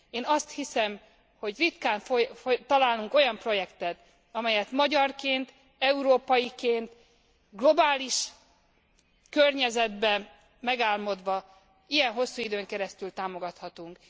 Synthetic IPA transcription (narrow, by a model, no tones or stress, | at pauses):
eːnɒst̪hisɛm | ho̞ɟrit̪kaːɱfot̪ɒlaːluŋko̞jɒmpro̞jɛkt̪ɛt̪ | ɒmɛjɛt̪mɒɟɒrkeːnt̪ | ɛuɾoːpɒjikeːnt̪ | ɡlo̞baːliʃ | kørɲɛzɛd̪bɛ | mɛɡaːlmo̞d̪ʋɒ | ijɛnɦo̞sːuːid̪øːŋkɛɾɛst̪ylt̪aːmo̞ɡɒt̪hɒt̪uŋk